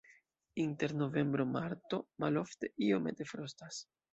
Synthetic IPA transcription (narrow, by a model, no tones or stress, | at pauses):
inte̞ɾno̞ve̞mbɾo̞maɾto̞malo̞fte̞ʔio̞me̞t̪e̞fɾostas